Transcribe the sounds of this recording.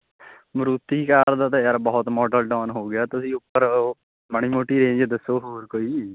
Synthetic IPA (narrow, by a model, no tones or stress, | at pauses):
mɾut̪ːikəɾd̪aːt̪ejəɾbɔːʊt̪mɔːʈəlʈɔːnɦoːɡɪjaːt̪ʊsĩːʊpːəɾ | bəɳ̃iːmoːʈiːɾẽːd͡ʒd̪əsoːɦoːɾkoːiː